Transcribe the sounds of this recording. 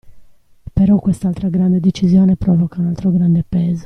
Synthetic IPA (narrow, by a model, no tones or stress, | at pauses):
peɾɔkwɛst̪alt̪ɾaɡɾand̪ed̪et͡ʃːizjɔːnepɾɔvɔkaunalt̪ɾoɡɾand̪epɛːzo̥